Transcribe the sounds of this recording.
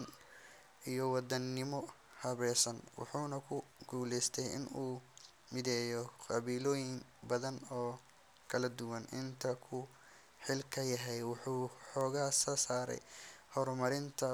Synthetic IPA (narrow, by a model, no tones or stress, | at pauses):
n | ijɔwɑd̪ɐnːɪmɔ | hɐβɛːsɐnwɑ̰ħuːnɐkʰʊɡuːlɛjst̪ʰɛjɪ̰nuː | mɪðɛːjɔqɑβiːlɔːjɪŋbɐðɐnɔː | kʰɐlɐd̪ʊwɐnʔɪnt̪ʰɐkʰʊ | ħɪlkʰɐjɐɦɛjwɑħuːħɔːɣaːsɔːsaːɾɛ̰jhɔrmɐɾɪnt̪ʰɐ